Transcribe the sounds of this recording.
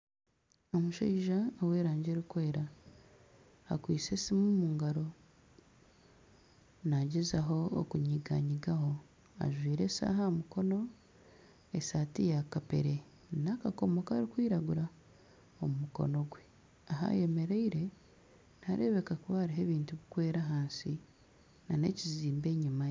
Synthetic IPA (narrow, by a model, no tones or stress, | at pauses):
omuʃeiʒawe̞ːɾaːɲɟeɾikwe̞ːɾa | kwiːt͡sesimumuːŋɡaɾo̞ | naɟezaɦo̞o̰kuɲiɡaɲiɡaho̞ | a̰ʒwiːɾe̞sa̰ːɦamuko̞no̞ | e̞saːtijakape̞̰ɾe̞ | nakako̞mo̞kaːɾikwiːɾaɡuɾa | omumuko̞̰no̞ɡwe̞ | aɦa̰je̞me̞ɾeiɾe̞ | naɾe̞̰ːβe̞kakuβaːɾiɦe̞βiːntuβikwe̞ːɾaɦaːnsi | nane̞̰ciziːmbe̞ːɲimaje